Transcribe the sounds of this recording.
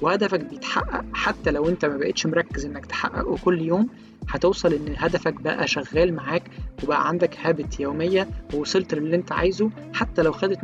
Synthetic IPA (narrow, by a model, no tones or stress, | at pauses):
wehæd̪æfæk̚bejet̪ħa̰ʔːæ̰ʔħat̪ːælæwʔent̪æmæbæʔet̪ʃmoɾˤɑkːezʔenːækt̪e̥ħa̰ʔːæ̰ʔokolːjoːm | ħæt̪owsˤɑlʔenːɦæd̪æfækbæ̰ʔæ̰ʃæɣːæːlmaʕaːkwebæʔæ̰ʕand̪ækhæːbet̪joːmejːæwwsˤelt̪ˤelːiːʔent̪æʕa̰jzoħat̪ːælæwxæd̪et̪